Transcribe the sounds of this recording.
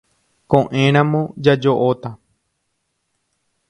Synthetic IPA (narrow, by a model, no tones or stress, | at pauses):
kõʔẽɾ̃ãmõd͡ʒad͡ʒoʔot̪a